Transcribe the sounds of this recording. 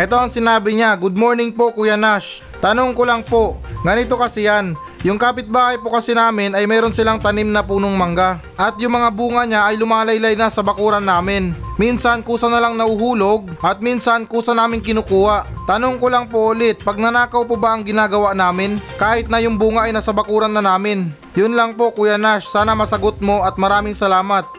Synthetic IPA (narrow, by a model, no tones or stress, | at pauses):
ʔɛt̪o̞ɐŋsɪnaːbɪɲaɡʊd̪̚mo̞ːɹnɪŋpo̞kʊjɐnaʃ | t̪ɐnoŋkolaŋpo̞ɡɐnɪt̪o̞kɐsɛjan | jʊŋkaːpɪt̪̚baːhɐjpokɐsɛnaːmɪnɐjmɛːɾo̞nsɪlaŋt̪ɐnimnɐpuːnoŋmɐŋɡa | ʔɐt̪̚jʊŋmɐŋabuːŋɐɲaʔɐjlʊmaːlɐjlɐjnasɐbɐkuːɾɐnaːmɪnminsɐnkuːsɐnɐlaŋnɐhʊhuːlo̞ɡ̚ʔɐt̪̚minsɐnkuːsɐnaːmɪŋkɪnuːkuːhaʔt̪ɐnoŋkolɐŋpoʔʊlɪt̪̚pɐɡ̚nɐnaːkɐwpobaʔɐŋɡɪnaːɡɐwaʔnaːmɪnkaːhɪt̪̚nɐjʊŋbuːŋaʔɐjnɐsɐbɐkuːɾɐnːɐnaːmɪn | jʊnlɐŋpo̞kʊjanaʃsaːnɐmɐsɐɡot̪̚mo̞ʔɐt̪̚mɐɾaːmɪŋsɐlaːmɐt̪̚